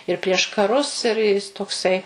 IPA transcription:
ɪr pʲrʲiɛʃ kɐˈrʊs ɪr ˈjɪs toːˈksɐɪ

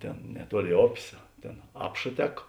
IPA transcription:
ˈtʲeːn nʲɛˈtuɔˌlʲeːɪ ˈoːpʲeːs ˈtʲeːn ˈɑːpʃɐ ˈtʲɛk

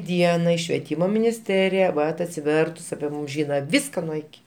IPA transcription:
ˈdʲiɛnɐɪ ʃʲʋʲiɛˈtʲiːmoː mʲɪnʲɪsʲˈtʲæːrʲɪjɛ ˈʋɐt ɐtʲsʲɪˈʋʲɛrtʊs ɐpʲɪ ˈmuːm ˈʒʲiːnɐ ˈʋʲɪskɐ nuɔ ɪˈkʲɪ

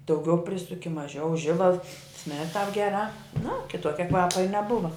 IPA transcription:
dɐʊˈɡʲɛʊ ˈpʲrʲɪsʊkʲɪ mɐˈʒʲɛʊ ˈʒʲɪbɐlˠs sʲmʲɪrt tɑːp ɡʲɛˈrɑː nɐ kʲɪˈtuɔkʲɛ ˈkʋɑːpɐ ɪ nʲɛˈbʊʋɐ

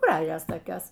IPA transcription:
ˈɡrɑːʒʲoːs toːˈkʲoːs

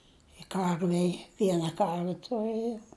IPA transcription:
ɪ ˈkɐrʲʋʲɛɪ ˈʋʲiɛnɐ ˈkɐrʲʋʲɛ tʊˈrɘjoːm

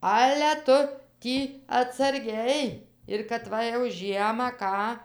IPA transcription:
ˈɑːlʲɛ ˈtʊ ˈtʲiː ɐtsɐrʲˈɡʲɛɪ ɪr kɐt ˈʋɐ jɛʊ ˈʒʲiɛmɑː ˈkɑː

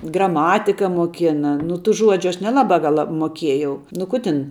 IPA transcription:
ɡrɐˈmɑːtʲɪkɐ muɔˈkʲɪnɐ nʊ tuː ˈʒuɔd͡ʒʲʊ ˈɐʃ nʲɛˈlˠɑːbɑː ˈɡɐlˠ lˠɐ muɔˈkʲiɛjɛʊ nʊ ˈkʊ ˈtʲɪn

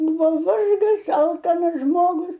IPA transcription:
ˈbuːʋɐ ˈʋɐrɡɐs ˈɐlˠkɐnɐs ˈʒmoːɡʊs

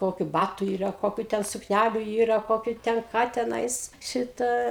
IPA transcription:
ˈkoːkʲʊ ˈbɑːtʊ ˈiːrɐ ˈkoːkʲʊ ˈtʲɛn sʊkˈnʲælʲʊ ˈiːrɐ ˈkoːkʲʊ ˈtʲɛn ˈkɑː tʲɛˈnɐɪs ˈʃʲɪtɐ

